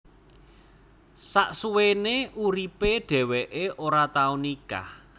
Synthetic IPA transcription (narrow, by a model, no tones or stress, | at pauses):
saʔsuweneʔuɾipeɖ̥ɛ̤weʔeʔoɾat̪aunika̰